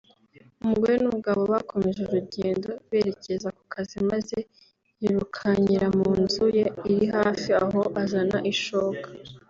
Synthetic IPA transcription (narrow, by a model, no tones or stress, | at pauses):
umuɡwojenuβuɡaβo̞βakʰo̞me̞ʒuɾuɟe̞ːndo̞βe̞ːɾe̞ce̞zakukʰazimaze̞ | jiɾukʰaɲiɾamuːnzuje̞iɾiɦaːfiaɦo̞ʔazanaʔiʃoːkḁ